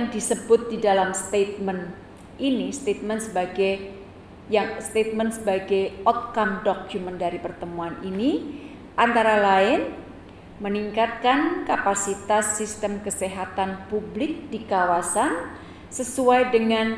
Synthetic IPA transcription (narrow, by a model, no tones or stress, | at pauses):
ŋdisəbʊt̪̚didalamst̪et̪̚mən | ʔinist̪et̪̚mənsəbaɡa | jaŋst̪et̪̚mənsəbaɡajɔt̪̚kamdɔk̚d͡ʒuməndaɾipərt̪əmuanini | ʔant̪aɾalaɪn | məniŋkat̪̚kankapasit̪asːist̪əmkəseɦat̪anpublɪk̚dikawasan | səsuajdəŋan